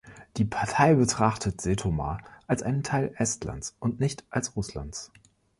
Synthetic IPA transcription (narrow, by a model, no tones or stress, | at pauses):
d̥iːpʰaɐtʰaɪbətʁ̥aχtʰətz̥eːtʰoma̰ːʔalsʔaɪnəntʰaɪlʔɛstla̰ntsʔʊntnɪçtʔalsʁʊsla̰ntt͡s